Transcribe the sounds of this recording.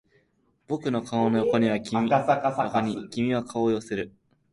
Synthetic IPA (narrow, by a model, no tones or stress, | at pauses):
b̥o̞kɯ̟no̞kʰaono̞jo̞ko̞ɲ̟iβ̞akʲimiooɲ̟ikʲimʲiβakʰaojo̞seɾɯ̟